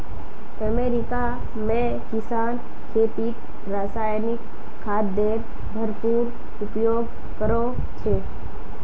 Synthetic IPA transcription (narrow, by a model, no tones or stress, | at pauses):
əmeːɾɪka | mẽ | kɪsaːn | kʰeːp̪iʈ | ɾaːsaːjnɪkʰː | aːd̪d̪eːɾ | bʱəɾpuːɾ | ʊpjoːɡ | kəɾo | t͡ʃʰe